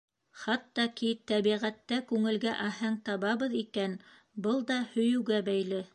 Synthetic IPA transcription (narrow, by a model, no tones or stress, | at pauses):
χɑt̪ːɑkit̪æβiʁæt̪ːækʉŋɘ̆lɡæʔæɦæŋt̪ɑβɑβɤ̆ðikæn | bɤlˠd̪ɑhɵ̆jɵ̆wɡæbæjlɘ